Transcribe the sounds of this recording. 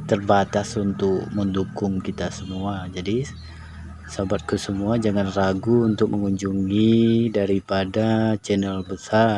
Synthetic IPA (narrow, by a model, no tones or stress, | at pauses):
t̪ərbat̪asunt̪ʊk̚məndukʊŋkit̪asəmuad͡ʒadi | səabat̪̚kusəmuad͡ʒaŋanraɡuːnt̪ʊk̚məŋuɲd͡ʒuŋidaɾipadat͡ʃɛnɛlbəsa